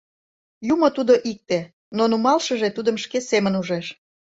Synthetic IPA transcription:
jumot̪ud̪oʔik̚t̪e | nonumɑlʃə̆ʒet̪ud̪əmʃkesemənuʒeʃ

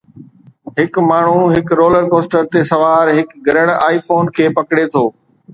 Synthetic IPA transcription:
ɦɪkmaːɳ̤uɦɪkɾoːləɾkoːsʈəɾt̪esɐʋaːɾɦɪkɡɐɾəɽ̃aːifoːnkʰeːpɐkɽet̪ʰoː

